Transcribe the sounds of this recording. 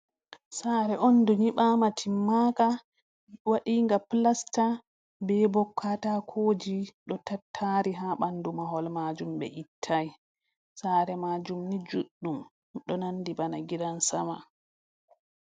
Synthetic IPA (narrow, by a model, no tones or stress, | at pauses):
saɾɛʔɔnduɲiɓaːmatʰimːaːka | waɗiːŋɡaplasta | bɛbɔkʰːatakʰoːd͡ʒiɗɔtatʰːaɾiɦaɓandumaɦɔlmad͡ʒumbɛ̰ʔitʰːaj | saːɾɛmad͡ʒumnid͡ʒuɗːum | ɗɔnanːdibanaɡiɾansama̰